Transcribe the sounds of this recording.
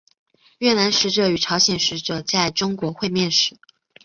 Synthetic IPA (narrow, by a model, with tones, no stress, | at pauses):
ɥɛ˥˩na˧˥nʂɻ̩˧˥ʈ͡ʂɤ˧˩y˨˩ʈ͡ʂʰɑ˧˥ʊɕjɛ˨˩nʂɻ̩˧˥ʈ͡ʂɤ˨˩t͡sa˥˩ɪʈ͡ʂʊ˥ŋkwɔ˧˥xwe˥˧ɪmjɛ˥˩nʂɻ̩˧˥